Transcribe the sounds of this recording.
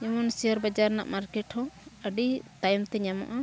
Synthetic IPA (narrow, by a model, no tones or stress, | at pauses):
jɔmɔnsijɔɾbad͡ʒaɾna̰ʔmaɾkɛʈhɔ̃əɖit̪ajɔmt̪ɛɲama̰ʔa